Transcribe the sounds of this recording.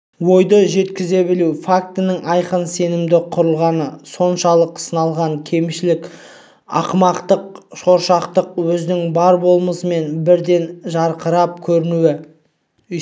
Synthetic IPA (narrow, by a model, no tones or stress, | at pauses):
wo̞jd̪əʒe̞t̪kʲɪze̞bɪluwfak̚t̪ɪnəŋʔɑjqənse̞nɪmd̪ɪqʰʊɾəlˠʁɑnəso̞nʃɑlˠəqsənɑlˠʁɑŋkʲʰe̞mʃɪlɪk | ɑ̰qmɑqt̪əq̚ʃo̞ɾʃɑqt̪əq̚wɵzɪnɪŋbɑɾbo̞lˠməsəme̞nbɪɾd̪e̞nʒɑɾqəɾɑp̚kʲʰɵɾɪnuwɪ